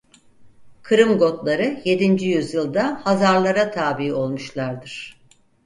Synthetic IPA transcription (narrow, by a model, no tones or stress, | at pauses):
kʰɯɾɯmɡo̞t̪lˠaɾɯje̞d̪ind͡ʒijyzjɯlˠd̪ahazaɾlˠaɾat̪ʰaːbio̞lˠmuʃlˠaɾd̪ɯɾ̥